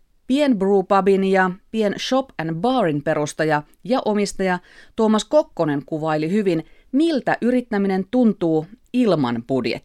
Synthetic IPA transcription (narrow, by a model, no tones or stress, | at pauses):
pienbruːpɑbinjɑpienʃo̞pænbɑːrinpe̞ɾust̪ɑjɑ | jɑʔo̞mist̪ɑjɑt̪oːmɑsko̞kːo̞ne̞ŋkuʋɑilihyʋinmilt̪æʔyɾit̪ːæmine̞nt̪unt̪uːilmɑ̰nb̥udjḛt̪ː